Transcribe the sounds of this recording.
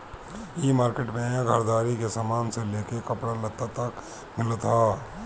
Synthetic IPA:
jeːmaːɾkeːʈmẽɡʱɐɾd̪aːɾikesaːmaːnseleːkekɐpɽalɐt̪ːat̪ɐk | mɪlt̪ʰaː

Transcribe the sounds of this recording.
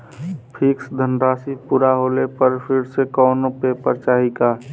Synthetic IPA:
pʰɪksd̪ʱənɾaːsipuːɾaɦoːlepəɾpʰɪɾsekɔːnopeːpəɾt͡ʃaːɦikaː

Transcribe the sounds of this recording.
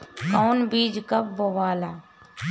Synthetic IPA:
kɔːnbiːd͡ʒkɐbboʋaːlaː

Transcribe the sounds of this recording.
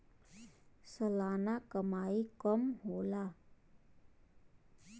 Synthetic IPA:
səlanakəmaikʌmɦola

